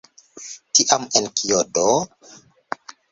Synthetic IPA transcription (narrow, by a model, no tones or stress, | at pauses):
tiʔamenkʰijodo